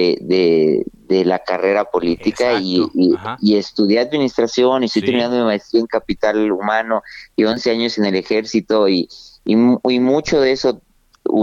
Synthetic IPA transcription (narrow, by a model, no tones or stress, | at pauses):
eðeðe̞lakare̞ɾapo̞lit̪ikaiː | e̞st̪uðjaaðminist̪ɾasjo̞niest̪ojt̪eɾminãnd̪omemaest̪ɾiaeŋkapit̪alumãno̞io̞nse̞aɲo̞se̞ne̞le̞xe̞ɾsit̪o̞iːmimut͡ʃo̞ðe̞so̞ | ṵ